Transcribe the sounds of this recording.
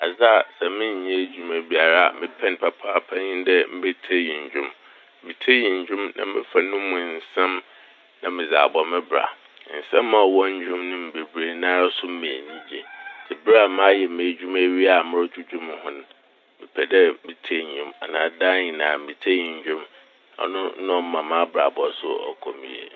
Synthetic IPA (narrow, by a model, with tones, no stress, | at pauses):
a˨za˦˨sɛ˨mɪ̃˦ɲ˨ɲɛ̃˦d͡ʑᶣu˦me˨bi˨a˨ɾa˦a̰˨mɪ̃˦pʰɛ̃˦npʰa˨pʰa˦a˦˨pʰa˦ɲĩ˦n˦dɛ˦m̩˦be˦tʰe˦jĩ˨ɲ̩˨d͡ʑᶣʊ̃˦m | mɪ̃˨tʰe˦ji˨ɲ̩˨d͡ʑᶣʊ̃˦mnã̰˨mɪ̰̃˦fa˨nʊ̃˦mʊ̃˨n̩˨sã˦m | nã˨mɪ̃˨za̰˨bɔ˨mɪ̃˦bɾa̰˨˦ | n̩˨sã˦mːã˨wɔ˦ɲ̩˦d͡ʑᶣʊ̃˦mnʊ̃˦m̩˨be˨bɾe˦nãː˦ɾa˦sʊ˦m̩˦mĩ˨nĩ˦d͡ʑe˨sʰɛ˨bɾa˦˨mã˦jɛ˨me˨˦d͡ʑᶣũ˦mæ˦ɥi˦a˨mɪ̃˦ɾtʰᶣu˦d͡ʑᶣʊ̃˦m˦hʊ̃˦nʊ̃˨ | mɪ̃˨pʰɛ˨dɛ˦mɪ̃˨tʰe˦ɲʊ̃˨ma̰˨nãː˨dã˦ɲɪ̃˨nã˨˦mɪ̃˨tʰe˦jĩ˨ɲ̩˨d͡ʑᶣʊ̃˦m | ɔ̰˦˨nʊ̃˦ɔ̃˦mã˨mã˦bɾa˨bɔ˨˦sʊ̰˦ɔ̰˨kʰɔ˨m˨ḛ˨